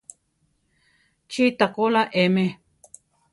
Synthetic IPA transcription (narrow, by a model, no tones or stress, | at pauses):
t͡ʃit̪akolaʔemẽ